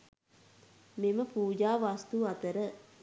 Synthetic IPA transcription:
meməpuːd͡ʒaːʋast̪uat̪əɾə

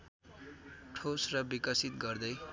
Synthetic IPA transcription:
ʈʰosrʌbikʌsit̪ɡʌrd̪ʌj

